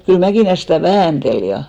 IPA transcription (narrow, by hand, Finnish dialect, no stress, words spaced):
kyl mækiˑlæ stæˑ ʋæːntel jɑ